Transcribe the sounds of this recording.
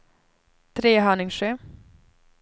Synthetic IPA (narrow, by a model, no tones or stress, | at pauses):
t̪ʰɾeːɦœːɳɪŋʂeː